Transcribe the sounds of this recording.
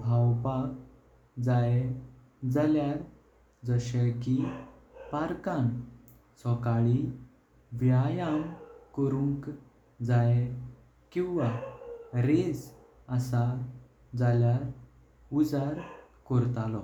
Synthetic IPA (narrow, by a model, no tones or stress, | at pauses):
bʱawpak̚ | d͡zaj | d͡zaljaɾ | d͡zəɕəki | paɾkãn | sɔkaɭi | ʋjajamkəɾuŋk | d͡zaje | kĩwʋa | ɾed͡z | asa | d͡zaljaɾ | ud͡zaɾ | kɔɾt̪alɔ